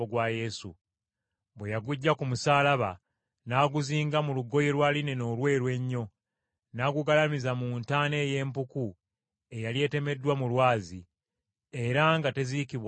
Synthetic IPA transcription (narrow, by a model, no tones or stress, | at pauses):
oɡwaje̞sṵ | bwe̞jaɡuɟːakumusaːlaβa | naːɡuziːŋɡamuluɡo̞jelwaːline̞no̞ːlwe̞ːɾwe̞ɲːo̞ | naːɡuɡalamizamuːntaːne̞ːje̞ːmpuku | e̞jalje̞ːte̞me̞dːwamulwaːzi | e̞ɾaŋɡate̞zikiβw